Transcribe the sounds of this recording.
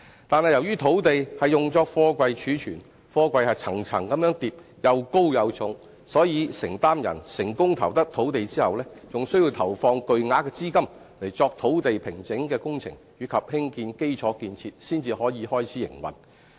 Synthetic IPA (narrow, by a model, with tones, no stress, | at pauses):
t̪aː˨nhɐ˨jɐ˨˩wɥyː˥t̪ʰo˨˥wt̪e˨jhɐ˨jjʊ˨ŋt͡sɔː˧˥k̚fɔː˧kʷɐ˧jt͡ʃʰyː˨˥t͡ʃʰyː˨˩n | fɔː˧kʷɐ˧jhɐ˨jt͡sʰɐ̰˨˩ŋt͡sʰɐ̰˨˩ŋkɐ˨˥mjœː˨˥ŋt̪iː˨p̚ | jɐ˨˧wko˥wjɐ˨˧wt͡sʰʊ˨˥ŋ | sɔː˨˥jiː˨˧sɪ˨˩ŋt̪aː˥mjɐ̰˨˩nsɪ˨˩ŋkʊ˥ŋt̪ʰɐ˨˩wt̪ɐ˥k̚t̪ʰo˨˥wt̪e˨jt͡siː˥hɐ˨wlɛː˥t͡sʊ˨ŋsɵ˥ɥji˧wt̪ʰɐ˨˩wfɔː˧ŋkɵ˨ɥŋaː˨˥kɛː˧t͡siː˥kɐ˥m | le˨˩jt͡sɔː˧k̚t̪ʰo˨˥wt̪e˨jpʰɪ˨˩ŋt͡sɪ˨˥ŋkɛː˧kʊ˥ŋt͡sʰɪ̰˨˩ŋjɥyː˨˥kʰɐ˨p̚hɪ˥ŋkiː˧nke˥jt͡sʰɔː˨˥kiː˧nt͡sʰiː˧t̚siː˥nt͡siː˧hɔː˨˥jiː˨˧hɔː˥jt͡sʰiː˨˥jɪ̰˨˩ŋwɐ̰˨˩n